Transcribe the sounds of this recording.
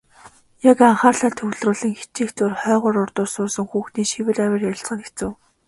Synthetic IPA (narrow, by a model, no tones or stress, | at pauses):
jakaɴχaːrɮaːt̪ʰɵwɮrʊːɮɘ̆ŋxe̥t͡ɕiːxt̪ʊrχœːʁʊːɾʊrt̪ʊːsʊːsə̆ŋxuːxt̪iːŋʃiwɘ̆ræwʲɪ̆rjaɬt͡sʁə̆ŋet͡sɘ̆w